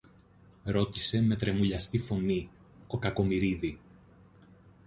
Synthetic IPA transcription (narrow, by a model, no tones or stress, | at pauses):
ɾo̞t̪i̥se̞me̞t̪ɾe̞muʎɐst̪ifo̞ni | o̞kɐko̞miɾiði